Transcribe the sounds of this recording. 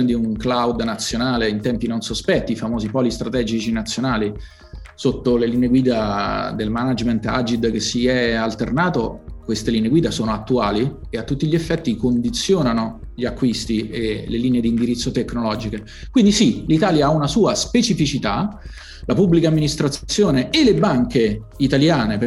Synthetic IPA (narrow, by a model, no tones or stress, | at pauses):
ned̪iuŋklawd̪nat̪sːjonaːleint̪ɛmpinonsospɛt̪ːiːfamoːzipɔlist̪ɾat̪ɛd͡ʒit͡ʃinat̪sːjonaːli | sot̪ːoleliːneeɡwiːd̪ad̪elmanad͡ʒment̪a̰d͡ʒid̪k̟esːiɛalt̪ernaːt̪okwest̪elineɡwiːd̪asoːnoat̪ːuaːli | eat̪ːut̪ːiʎiefːɛt̪ːikond̪it̪sːjoːnano | ʎiakːwist̪ieleliːneed̪iːnd̪iɾit̪sːot̪ekːnolɔːd͡ʒike | kwind̪isilit̪aːljaaunasuːaspet͡ʃifit͡ʃit̪a | lapubːlikamːinist̪ɾat̪ssːjoːneelebaŋke | it̪aljaːnep